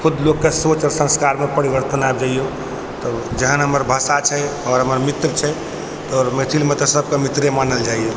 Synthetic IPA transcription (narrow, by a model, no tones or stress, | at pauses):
kʰud̪lokːesot͡ʃɾsə̃skaɾmepəɾiʋəɾt̪ənab̚d͡ʒaije | t̪ɔd͡ʒəɦənɦəməɾbʱəsat͡ʃʰɛɔɾɦəməɾmit̪ɾt͡ʃʰɛ | t̪ɔːɾmet̪ʰilmet̪ɔsəb̚kemit̪ɾemanəld͡ʒaie